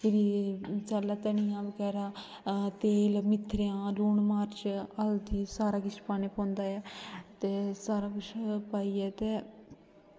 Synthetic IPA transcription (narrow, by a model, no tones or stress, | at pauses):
pɪɾiːt͡ʃalːaːt̪ɛɳ̃iːãːbəɡɛːɾaː | t̪eːlmɪt̪ʰːɾeãːluːɳmaːɾt͡ʃəld̪iːsaːɾaːkɪt͡ʃʰpaːneːpɔ̃ːnd̪aːɛːt̪eːsaːɾaːkʊt͡ʃʰpaːiːɛːt̪eː